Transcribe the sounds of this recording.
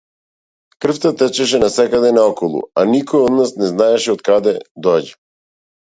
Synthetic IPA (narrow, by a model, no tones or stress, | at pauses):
kr̩ft̪at̪ɛt͡ʃɛʃɛnasɛkad̪ɛnaɔkɔlˠṵanikɔjɔd̪nasnɛznaɛʃɛɔt̪kad̪ɛd̪ɔɟɛ